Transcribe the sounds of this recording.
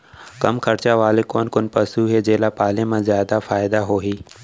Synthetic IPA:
kɐmkʰɐɾt͡ʃaʋaːlekoːnkʊnpɐsuːɦed͡ʒeːlaːpaːlẽmãzjaːd̪afaːɪd̪aɦoːɦiː

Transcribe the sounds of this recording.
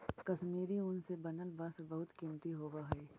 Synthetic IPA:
kɐʃmiːɾiʊnsebɐnəlbɐsbɐɦʊt̪kimt̪iɦoːʋaɦɛː

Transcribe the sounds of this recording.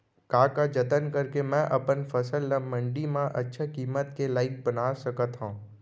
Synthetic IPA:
kaːkad͡ʒɐt̪ənkəɾkemɛ̃ʔɐpənfɐsəlːəmə̃ɳɖimãʔɐtːʃʰekiːmət̪kelaːɪk̚bənaːsəkət̪ɦũː

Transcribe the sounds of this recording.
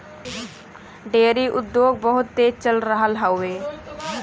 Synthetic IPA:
ɖeːɾiʔʊd̪ːjoːɡ̚bəɦʊt̪ːeːt͡ʃəlɾəɦəlɦaʊeː

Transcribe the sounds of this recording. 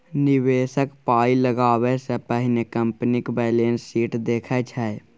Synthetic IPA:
nɪʋeːsəkpaːiləɡaːwesepəɦɪnekə̃mpnikbɛːlẽːnsːiːʈd̪eːkʰat͡ʃʰɛe

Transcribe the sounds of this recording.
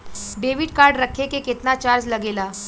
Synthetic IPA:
beʋiʈkaɾɖɾəkʰekeket̪nat͡ɕaɾd͡ʑləɡela

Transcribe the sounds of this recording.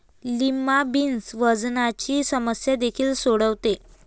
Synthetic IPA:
limabinsʋəd͡znat͡ɕiːsəməsjad̪ekʰiːlsoɽəʋt̪e

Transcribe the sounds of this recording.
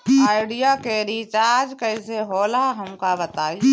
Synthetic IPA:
aːɪɖijakeɾit͡ʃaːd͡ʒkəɪseɦoːlaɦɐmkabət̪aːi

